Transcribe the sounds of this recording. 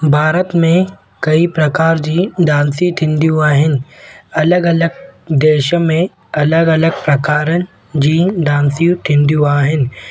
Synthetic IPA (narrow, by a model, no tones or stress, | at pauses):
bʱaːɾət̪mẽ | kɐipɾɐkaːɾd͡ʑiːɖ̪ãːnsiʈ̪ʰɪ̃nd̪jũaːɦɪnɪ̆ɐləɡɐləɡ̚d̪eːʃmẽ | ɐləɡɐləɡpɾɐkaːɾənɪ̆ | d͡ʑiːd̪ãːnsijũʈ̪ʰɪ̃nd̪jũaːɦɪnɪ̆